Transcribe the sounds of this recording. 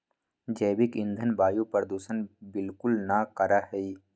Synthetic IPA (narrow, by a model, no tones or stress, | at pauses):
d͡ʒəːbɪkɪ̃nd̪ʱənbaːjupəɾd̪uːsənbɪlkʊlnakəɾaɦɛi